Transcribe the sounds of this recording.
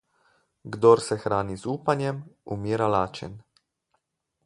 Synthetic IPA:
ɡd̪ɔɾsɛxɾaːnizuːpanjɛmumiːɾalaːt͡ʃɛ̰n

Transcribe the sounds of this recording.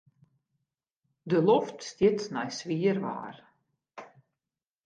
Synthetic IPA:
dəlɔftstɪtsnɛjsʋiərʋa̰ːr

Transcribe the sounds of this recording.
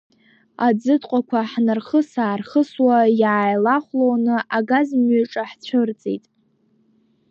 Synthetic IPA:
ad͡zɨdqʷʼakʷʰaħnɨrχəsaːrχəswajaːjlaχʷlownɨʔaɡazmʏʈ͡ʂʼaħt͡ɕʷʰɨrt͡sʼḛjtʼ

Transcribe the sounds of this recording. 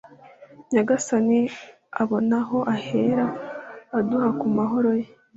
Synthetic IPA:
ɲaɡasani | aβo̞naɦo̞ʔahe̞ɾaː | duhakumaɦo̞ɾo̞je

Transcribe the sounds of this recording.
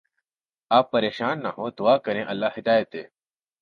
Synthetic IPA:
aːpːəɾeːʃaːnːaɦoːd̪ʊaːkəɾẽːʔɐlːaːɦid̪aːjət̪eː

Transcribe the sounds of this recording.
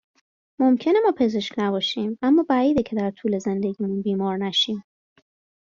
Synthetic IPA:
momcʰe̞ne̞mɒːpʰe̞ze̞ʃknæbɒːʃiːmʔæmːɒːbæiːd̪ecʰe̞d̪æɾt̪ʰuːle̞ze̞nd̪e̞ɡiːmunbiːmɒːɾnæʃiːm

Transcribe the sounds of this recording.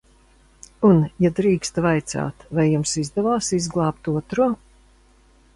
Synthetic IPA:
unjad̪ɾiːkst̪vajt̪sa̰ːt̪vajːumsizd̪ɛvaːsizɡlˠɑːp̚t̪uɔt̪ɾuɔ

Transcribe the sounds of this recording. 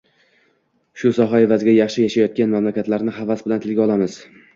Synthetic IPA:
ʃʊsɒɦae̞vazɡʲajɑχʃɪjaʃajɒt̪̚kʲanmamlakʲat̪laɾnɪɦavasbɪlant̪ʰɪlɡʲɒlˠamɪz̥

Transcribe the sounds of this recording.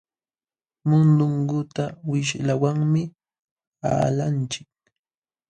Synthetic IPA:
mʊnd̪ʊŋɡʊt̪awɪʃlawaŋmɪ | a̰ːlant͡ʃɪk̚

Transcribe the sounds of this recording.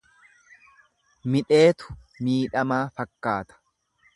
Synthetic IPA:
mɪᶑe̞ːt̪ʊ̥miːᶑɐmaːfɐkːaːt̪ɐ̥

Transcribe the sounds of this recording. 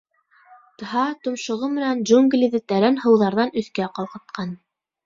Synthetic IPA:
t̪ɤ̆ɦɑt̪ŏmʃŏʁɤmɘ̆nænʒuŋɡlʲiðɘt̪æɾænhɤ̆wðɑɾðɑnɵ̆θkæqɑlˠqɤ̆t̪̚qɑn

